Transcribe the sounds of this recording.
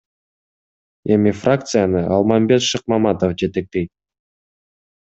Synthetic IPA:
e̞mifrak̚t̪sɨjanɯɑlˠmɑmbe̞t̪ʃɨq̚mɑmat̪ofd͡ʒe̞t̪e̞k̚t̪e̞jt̪̚

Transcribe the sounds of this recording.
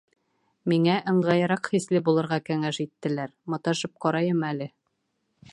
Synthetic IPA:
miŋæʔɤ̆ɴʁɑjɤ̆ɾɑqχislɘbulˠɤ̆ɾʁɑkæŋæʃit̪ːɘ̆læɾmŏt̪ɑʃɤp̚qɒɾɑjɤmælɘ

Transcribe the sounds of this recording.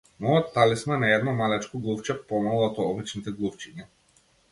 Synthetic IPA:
mɔɔtt̪ːalismanaɛd̪nɔmalɛt͡ʃkɔɡlˠuft͡ʃɛpɔmalˠat̪ɔɔbit͡ʃnit̪ɛɡlˠuft͡ʃiɲa

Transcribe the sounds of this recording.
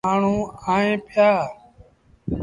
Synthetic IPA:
aːɳ̤ũːãːẽːpʰɪjaː

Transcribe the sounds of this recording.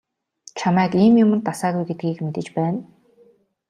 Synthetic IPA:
t͡ɕʰamæːkiːmjʊmɘ̆nt̪asaːɣujɡet̪̚ɡiːkmet̪ɘ̆t͡ɕpæːn

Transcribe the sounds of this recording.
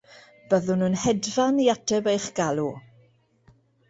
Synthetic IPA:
b̥əðʊnunhɛdvaniatʰɛbejχɡ̥alˠu

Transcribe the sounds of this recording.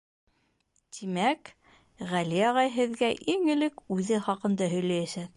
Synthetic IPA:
t̪ʰimæk | ʁæliɑʁɑjɦɘ̆ðɡæʔiŋɘ̆lɘkʉðɘχɑqɤ̆nd̪ɑɦɵ̆jlæjæʃɘð

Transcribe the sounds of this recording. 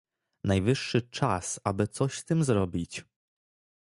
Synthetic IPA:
najvɘʂːɘt͡ʂasabɘt̪sɔɕst̪ɘmzɾɔbʲit͡ɕ

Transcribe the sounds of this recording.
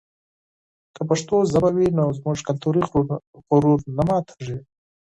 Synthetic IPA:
kəpaʂt̪ozabawinozmʊʐkant̪ʰoɾiɣʊɾuɾnamɑːt̪ʰḁʐi

